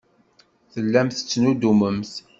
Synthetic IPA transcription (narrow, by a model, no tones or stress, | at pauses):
θəlːæmθə̥t͡sːnud̪uməmθ